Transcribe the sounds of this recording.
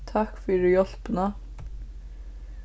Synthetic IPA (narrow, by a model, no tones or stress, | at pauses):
t̪ʰakfʏɾɪjɔl̥pna